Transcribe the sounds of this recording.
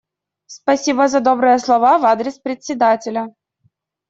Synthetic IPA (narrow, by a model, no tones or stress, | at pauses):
spɐsʲibəzɐd̪o̞bɾɨjəslˠɐvavad̪ɾʲɪspɾʲɪt̪ʲsʲɪd̪atʲɪlʲə